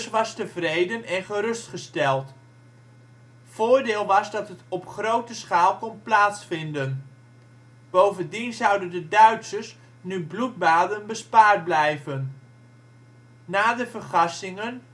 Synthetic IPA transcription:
sʋɑstəvrejdənɛnχəɾɵstχəstɛlˠt | v̥ʊːɹdɪːlˠʋɑzdɑtɦətɔpχrowtəsχaːlˠkɔnplaːtsfɪndən | b̥owvəndinzʌwdəndədœɥtsəɹs | nyblut̚baːdənbəspaːɹt̚blɛjvən | naːdəvərχɑsɪŋən

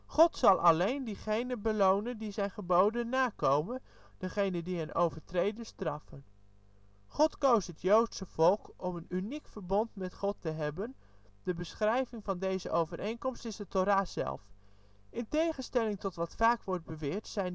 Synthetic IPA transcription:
χɔtsɑlˠʔɑlejndiχejnəbəlownəndizɛjnχəbowdənːaːkowmən | d̥əχejnəndiɦənʔo̰wvəɹtrejdəstrɑfən | χɔtkowstɦətjowtsəv̥ɔlˠkɔmənynikfəɹbɔntmɛtχɔtəɦɛbən | dəbəsχrɛjvɪŋvɑndejzəʔowvərʔejnkɔmstɪzdətoɾaːzɛ̰lˠf | ɪntejχənstɛlɪŋtɔtʋɑtfaːkʋɔɹd̚bəʋɪːɹtsɛjn

